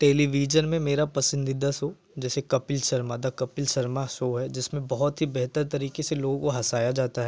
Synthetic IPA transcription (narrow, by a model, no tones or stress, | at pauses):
ʈeːliʋiːd͡ʒənmẽmeːɾapɐsɪ̃nd̪ɪd̪asoː | d͡ʒɛːsekɐpɪlʃɐɾmaːd̪akɐpɪlʃɐɾmasoɦɛd͡ʒɪsmẽbɐɦɔt̪ɦibɛɦt̪əɾt̪ɐɾiːkeseloːɡõkoɦɐsaːjad͡ʒaːt̪aɦɛː